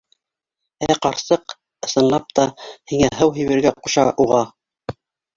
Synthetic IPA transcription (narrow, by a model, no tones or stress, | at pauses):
æqɑɾsɤq | ɤ̆sɤ̆nlˠɑp̚t̪ɑhiŋæɦɤwɦĭjβɘ̆ɾɡæquʃɑʔuʁɑ